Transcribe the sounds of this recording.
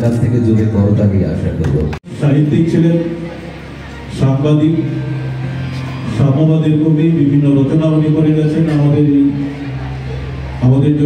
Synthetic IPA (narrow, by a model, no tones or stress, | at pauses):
kat̪ʰeked͡ʑobekɔɾot̪akeja̰ʃakoɾlo̰ʃaɦit̪ːik̚t͡ɕʰilen | ʃaŋbad̪ik | ʃaabad̪eɾbobibibʱinːoɾɔt͡ɕonaunikoɾeɡɛt͡ɕʰenamad̪eɾ | amad̪eɾd͡ʑo